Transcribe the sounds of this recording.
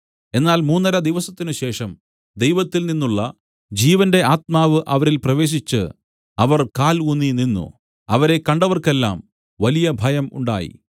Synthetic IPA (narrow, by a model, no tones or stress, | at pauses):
e̞nːaːlmuːnːɐɾɐd̪iʋɐsɐt̪ːinuɕe̞ːʂɐm | d̪ejʋɐt̪ːilninːuɭːɐ̰ | d͡ʑiːʋɐnde̞aːt̪̚maːʋɨʔɐʋɐɾilprɐʋe̞ːɕ̬it͡ɕːɨ̰ | ɐʋɐrkaːlunːininːṵ | ɐʋɐɾe̞kɐɳɖɐʋɐrkelːa̰ːm | ʋɐlijɐbʱɐjɐmṵɳɖa̰ːjḭ